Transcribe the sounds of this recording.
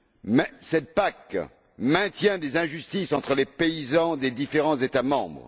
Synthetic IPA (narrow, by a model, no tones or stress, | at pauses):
mɛsɛt̪̚pak | mɛ̃t̪jɛ̃d̪ezɛ̃ʒyst̪isɑ̃t̪χəlepeizɑ̃d̪ed̪ifeʁɑ̃zet̪amɑ̰̃bʁ